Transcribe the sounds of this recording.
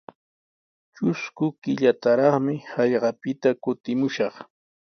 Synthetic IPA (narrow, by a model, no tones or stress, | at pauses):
t͡ʃʊskʊkɪʎat̪aɾɑχmɪhɑʎɢɑpɪt̪akʊt̪ɪmʊʃɑχ